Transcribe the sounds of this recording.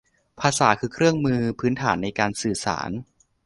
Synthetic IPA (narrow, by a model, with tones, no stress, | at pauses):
pʰaː˧saː˩˦kʰɯː˧kʰɾɯ˥˩əŋmɯː˧pʰɯː˦˥nt̪ʰaː˩˦nːa˧jkaː˧nsɯː˨˩sa̰ː˩˦n